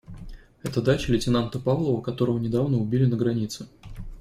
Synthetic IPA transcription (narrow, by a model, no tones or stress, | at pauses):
ɛt̪əd̪at͡ɕɪlʲɪtʲɪnant̪əpavlˠəvəkɐt̪o̞ɾəvənʲɪd̪avnəʊbʲilʲɪnəɡɾɐnʲit̪sɨ